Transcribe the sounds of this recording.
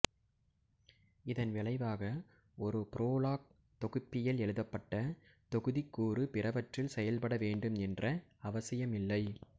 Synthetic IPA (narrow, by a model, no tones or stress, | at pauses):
ɪðɐnʋɪɭɐɪʋaːɣɐ | ɔɾɯpɪɾoːlaːk̚ | t̪ɔɣɯpːɪjɐlɛɻɯðɐpːɐʈːɐt̪ɔɣɯðɪkːuːrɯpɪrɐʋɐʈrɪlsɛjɐlpɐɽɐʋeːɳɖɯmɛndrɐɐʋɐsɐjɐmɪlːɐɪ